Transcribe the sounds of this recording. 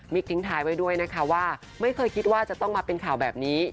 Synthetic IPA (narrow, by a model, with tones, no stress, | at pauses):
mi˦˥k̚t̪ʰi˨˩˦ŋt̪ʰaː˩˦jwa˧˥jdu˥˩əjna˦˥kʰa˦˥waː˥˩ | ma˥˩jkʰɤː˧jkʰi˦˥t̪̚waː˥˩t͡ɕa˨˩t̪ɔ˥˩ŋmaː˧pe˧nkʰaː˨˩wbɛː˨˩p̚niː˦˥